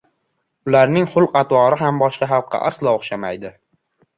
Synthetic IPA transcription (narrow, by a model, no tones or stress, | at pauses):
ʊlaɾnɪŋχʊlˠqɑt̪wɒɾɪɦambɒʃqɑɦɑlˠqʰːɑ̰ʔa̰slˠɒoχʃamajd̪ɪ